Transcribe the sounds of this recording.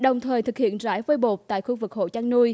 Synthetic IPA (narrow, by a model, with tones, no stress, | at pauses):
ɗə˨˩wŋ͡mt̪ʰəː˨˩jt̪ʰɨ˨˩k̚hḭ˧˨ənza̰ː˧˥jvə˧jɓo˨˩t̚t̪a̰ː˧˨jxu˧vɨ˨˩k̚ho̰˧˨t͡ɕaː˧ŋnu˧j